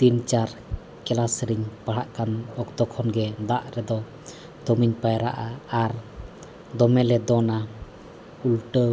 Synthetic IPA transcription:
t̪int͡ʃaɾ | kɛlasɾiɲpaɦaʔkanɔkt̪ɔkʰɔnɡɛd̪aʔɾɛd̪ɔ | d̪ɔmiɲpajɾa̰ʔaːɾ | d̪ɔmɛlɛd̪ɔna | ulʈə

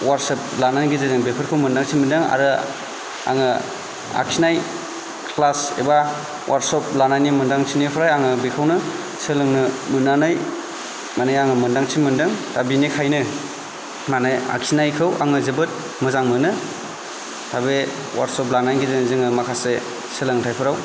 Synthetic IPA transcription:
waɾsep̚lananɡezezɯŋbepʰɯɾkʰɯwmɯndaŋsʰimɯndɯŋa̰ɾɯ | a̰ŋɯ | a̰ksʰinaj | kʰlasḛba | wʔaɾtsɔp̚lanajnimɯndaŋsʰinipʰɾajaŋɯbikʰawnɯ | sɯlɯŋnɯmɯnanɯj | manɯjaŋɯmɯndaŋt͡ʃʰimɯndɯŋtabinikʰajnɯ | manaja̰ksinajkʰɯwa̰ŋɯzɯbɯt̚ | mɯzaŋmɯnɯ | tʰabe | wa̰ɾsɔp̚lanajɡezenzɯŋɯmakʰase | sɯlɯŋtʰajpʰɯɾaw

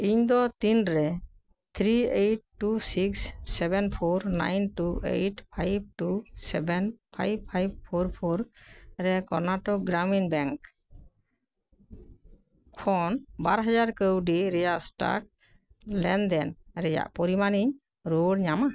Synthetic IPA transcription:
iɲd̪ɔt̪inɾɛ | t̪ʰɾieʈ̚ːusiksːɛbɛnpʰoɾna̰jnʈuʔḛjʈpʰajb̚ʈusɛbɛnpʰa̰jb̚pʰajb̚pʰoɾpʰoɾɾɛkɔɾnaʈɔk̚ɡɾaminbɛŋk | kʰɔnbaɾɦad͡ʒaɾkəwɖiɾɛjasʈa̰k̚ | lɛnd̪ɛnɾɛja̰ʔpɔɾimani | ɾoɽɲama

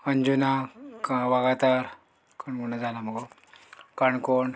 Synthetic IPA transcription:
əɲd͡ʑunakʋaɡat̪aɾ | kaɳɡunad͡zalaməɡo | kaɳkoɳ

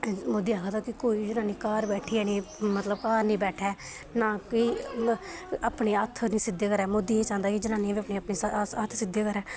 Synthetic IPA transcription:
mʊd̪iːɦaːɡʰaːt̪aːkɪkoːiːd͡ʒɪnãːniːkaːɾbɛːʈʰiːɛːniːmət̪ləb̚kaːɾnĩːbɛːʈʰɛː | nãːkɪː | əpɳeːət̪ʰnĩːsɪd̪eːkəɾɛːmʊd̪iːnĩːt͡ʃãːnd̪aːkɪd͡ʒɪnaːnĩʋiːəpneːəpneːət̪ʰsɪd̪eːkəɾɛː

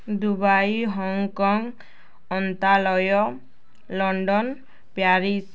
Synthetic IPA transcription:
d̪ubajɦɔŋkɔŋ | ɔnt̪alɔjɔ | lɔɳɖɔn | pjaɾis

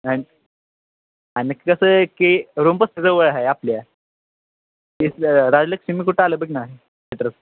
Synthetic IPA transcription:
ani | añkikəsəːkeɾumpəst̪ed͡zəʋəɭaɦeaplja | isɾad͡zləksimiːkuʈaləːbəɡʲinaɦe | bet̪ɾət͡s

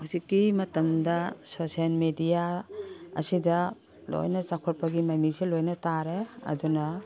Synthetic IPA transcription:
hawsikːimɐtɐmdɐsosialmedija | ɐ̰sidɐ | lo̰jnɐt͡ʃakʰɔɾpɐɡimajmiŋselojnɐtaɾeɐ̰dunɐ

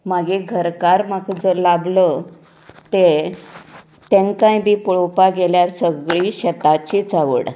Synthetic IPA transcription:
maɡeɡʱəɾkaɾmakd͡zəlablə | t̪e | t̪ẽŋkãjbʱiːpɭopaɡeljaɾsəɡɭiːɕət̪at͡ɕit͡saʋə̰ɽ

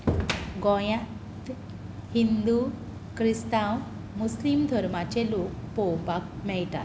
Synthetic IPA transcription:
ɡɔjã | t̪ | hind̪u | kɾist̪ãw | muslimd̪ʱɔɾmat͡ɕelok̚pɔwpakmɛɭʈ̪a̰t̪

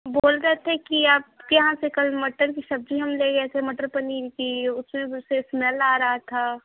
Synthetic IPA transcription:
boːlɾɐɦt̪ʰekiaːp̚jɐɦãsekɐlmɐʈːəɾkisɐb̚d͡ʒʱiɦɐmleɡɐet̪ʰemɐʈəɾpɐniːɾkiʊsmẽsesmɛlaːɾɐɦat̪ʰa

